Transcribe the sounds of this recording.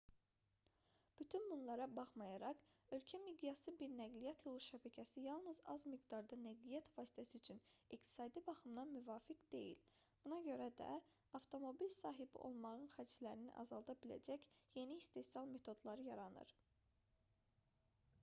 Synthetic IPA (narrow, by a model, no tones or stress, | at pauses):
b̥yt̪ʰynbunlˠɑɾɑbɑχmɑjɑɾɑʁø̞lcʰæmid̪ijɑsɯbiɾnæɡlijæt̪ʰjolˠuʃæbæcʰæsijɑlˠnɯzɑ̰zmiɡd̪ɑɾd̪ɑnæɡlijæt̪vɑːsi̥t̪ʰæsiyt͡ʃʰynikt̪ʰi̥sɑːd̪ibɑχɯmd̪ɑnmyvɑːfikd̪̥e̞̰jḭl | b̥unɑɟø̞ɾæd̪æ̰ | ɑft̪ʰo̞mo̞bilsɑːɦibḭʔo̞̰lˠmɑʁɯnχæd͡ʒlæɾinḭʔɑ̰zɑlˠd̪ɑbilæ̰d͡ʒæcje̞niːst̪e̞siɑlˠme̞t̪ʰo̞d̪lˠɑɾɯjɑɾɑnɯ̰ɾ